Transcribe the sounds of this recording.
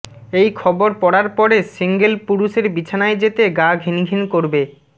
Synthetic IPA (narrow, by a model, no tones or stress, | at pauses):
ejkʰɔboɾpɔɽaɾpɔɾesiŋɡelpuɾuʃeɾbit͡ɕʰanaed͡ʑet̪eɡaɡʱiniɡʱinkoɾbe